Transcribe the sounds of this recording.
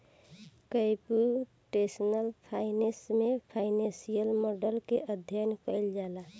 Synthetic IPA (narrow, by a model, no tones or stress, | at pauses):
kəɪpu | ʈesnəlpʰaɪnẽsmepʰaɪnẽsijəlmɔɖəlkeʔəd̪ʱjənkəld͡ʒala